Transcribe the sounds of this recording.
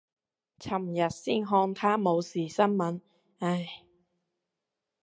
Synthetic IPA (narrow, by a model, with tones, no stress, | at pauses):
t͡sʰɐ˨˩mjɐ˨t̚siː˥˩nɦɔː˧ŋt̪ʰaː˥mo˨˧wsiː˨˩sɐ˥nmɐ˨˥n | a˧˩j